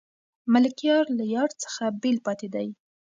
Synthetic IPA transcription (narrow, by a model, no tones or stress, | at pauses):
malɪkjɑɾlajɑɾt͡sə̥xabelpɑt̪ed̪aj